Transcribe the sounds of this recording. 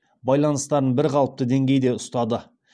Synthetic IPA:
bɑjlˠɑnəst̪ɑɾənbɪɾqʰɑlˠəp̚t̪əd̪e̞ŋɡʲe̞jd̪e̞ʊst̪ɑd̪ə

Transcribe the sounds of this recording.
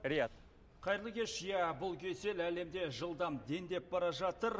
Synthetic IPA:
ɾɪjat̪ | qʰɑjɾlˠəkʲe̞ʃjæbʊlˠkʲʰe̞se̞læle̞md̪e̞ʒəlˠd̪ɑmd̪e̞nd̪e̞p̚bɑɾɑʒɑt̪əɾ

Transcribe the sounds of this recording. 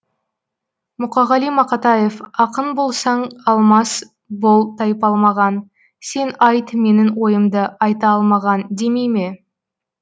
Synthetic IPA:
mʊqɑʁɑlijmɑqɑt̪ɑjefɑqənbo̞lˠsɑɴɑlˠmɑs | bo̞lˠt̪ʰɑjpɑlˠmɑʁɑn | se̞nɑjt̪me̞nɪŋwo̞jəmd̪əɑjt̪ɑɑlˠmɑʁɑnd̪e̞mejme̞

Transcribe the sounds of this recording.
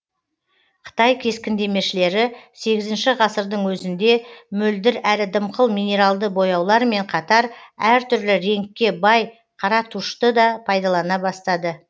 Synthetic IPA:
qʰə̥t̪ɑjkʲʰe̞skʲɪnd̪e̞me̞ʃɪle̞ɾɪse̞ɡʲɪzɪnʃɪʁɑsəɾd̪əɴwɵzɪnd̪e̞mɵld̪ɪɾælɪd̪əmqʰəlˠmijne̞ɾalˠd̪əbo̞jɑwlˠɑɾme̞ɴqʰɑt̪ɑɾæɾt̪ʰʏɾlɪɾe̞ŋkʲːe̞bɑj | qʰɑɾɑt̪ʰuʃt̪əd̪ɑpʰɑjd̪ɑlˠɑnɑbɑst̪ɑd̪ə

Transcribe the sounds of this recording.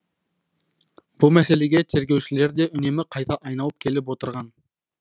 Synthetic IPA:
b̥umɛseleɡʲet̪ʰeɾɡʲewt͡ʃileɾd̪eʔʏnemɪqʰɑjt̪ʰɑʔɑjnɑlˠəp̚kʲʰelɪp̬wot̪əɾʁɑn

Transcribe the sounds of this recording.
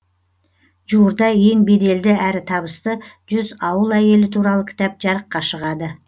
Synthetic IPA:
ʒuɾd̪ɑje̞ŋbe̞d̪e̞ld̪ɪæɾɪt̪ʰɑbəst̪ə | ʒ̥ʏzɑwəlˠæje̞lɪt̪ʰuɾɑlˠəkʲʰɪ̥t̪ɑp̚ʒɑɾəqːɑʃəʁɑd̪ə

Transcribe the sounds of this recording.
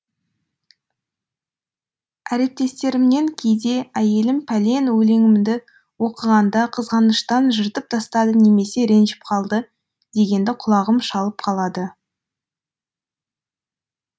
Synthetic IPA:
æɾe̞p̚t̪e̞st̪e̞ɾɪmne̞ŋkʲʰe̞jd̪e̞æje̞lɪmpʰæle̞nwɵle̞ŋɪmnd̪ɪ | wo̞qəʁɑnd̪ɑqʰəzʁɑnəʃt̪ɑnʒəɾt̪əp̚t̪ʰɑst̪ɑd̪əne̞me̞se̞ɾe̞nʒɪ̥p̚qʰɑlˠd̪ə | d̪̥e̞ɡʲe̞nd̪ɪqʰʊlˠɑʁəmʃɑlˠəpqʰɑlˠɑd̪ə

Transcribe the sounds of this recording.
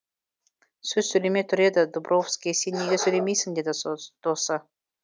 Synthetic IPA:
sʲɵzsɵlʲemʲet̪ʰʏɾʲed̪ɘ̆d̪ubrʔofskʲiesʲenʲːeɡʲesɵlʲemʲejsɪ̆ŋd̪ʲed̪ɘd̪̥osə

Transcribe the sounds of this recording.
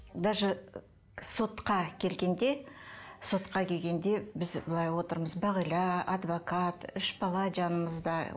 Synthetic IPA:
d̪ɑʒə | so̞t̪qɑkʲʰe̞lɡʲe̞nd̪e̞so̞t̪qɑkʲʰe̞lʲɡʲe̞nd̪e̞bɪzbəlˠɑjwo̞t̪əɾməzbɑʁəjlˠɑɑd̪vo̞kɑt̪ʏʃbɑlˠɑʒɑnəməzd̪ɑ

